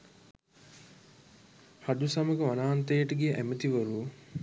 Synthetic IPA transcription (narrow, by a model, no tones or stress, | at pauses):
had̪usaməkəʋanaːnt̪əjəʈəɡijʔæmət̪iʋəɾu